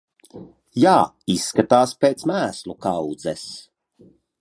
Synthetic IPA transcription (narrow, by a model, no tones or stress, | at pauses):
jaː | isːkat̪aːspeːt̪smæːslˠukawd̪zɛs